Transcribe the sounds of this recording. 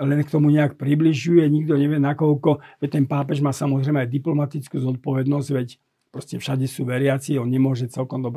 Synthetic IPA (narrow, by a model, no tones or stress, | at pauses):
lɛnkt̪ɔmuɲɛakpɾibliʒujɛɲiɡd̪ɔɲɛʋɪɛnakɔlkɔʋɛc̚t̪ɛnpaːpɛʒmaːsamɔzɾɛjmɛajd̪iplɔmat̪it͡skuːzɔt̪̚pɔʋɛd̪nɔzɟʋɛc | pɾɔscɛfʃaɟɛsuːʋɛɾɪat͡siɔnɲɛmʊɔʒɛt͡sɛlkɔmd̪ɔbɾɛ